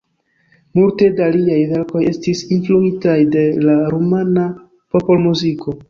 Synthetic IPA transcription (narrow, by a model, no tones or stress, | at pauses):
multe̞daliajve̞ɾko̞je̞stisinfluitajde̞laɾumana | po̞po̞lmuzikʰo̞